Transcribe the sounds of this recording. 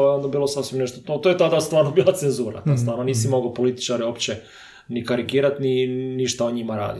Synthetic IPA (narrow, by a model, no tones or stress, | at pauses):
eo̞nd̪abiːlˠosasʋimneʃt̪ot̪ot̪ojet̪ad̪ast̪ʋaːɾnobiːlˠat̪senzuːɾa̰t̪ast̪ʋaːɾnoniːsimoɡopo̞lit̪i̥t͡ʃaɾeopt͡ɕe | nikaɾiɡiːɾat̪niniʃt̪aoɲimaɾa̰ːd̪i